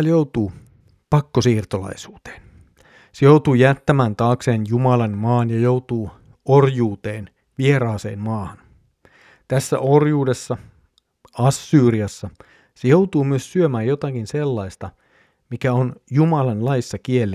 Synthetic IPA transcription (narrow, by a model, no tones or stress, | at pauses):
ljowt̪uː | pɑkːosiːrt̪olɑ̰jsuːt̪e̥ːn | sejowt̪uːjæt̪ːæmæːnt̪ɑːkseːnjumɑlɑnmɑːnjɑjowt̪uː | orjuːt̪e̞ːn | ʋieɾɑːsḛːnmɑːhɑn | t̪æsːæ̰ʔorjuːdesːɑ | ɑsːyːriɑsːɑ | sejowt̪uːmyøssyømæːjjot̪ɑkinselːɑist̪ɑ | mikæonjumɑlɑnlɑjisːɑkielːi